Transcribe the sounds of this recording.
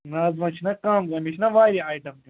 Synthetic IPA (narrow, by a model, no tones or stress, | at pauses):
naːzʋɐt͡ʃʰinɐkaːmzɐmit͡ʃʰnɐʋaːɾiaːjʈɐmi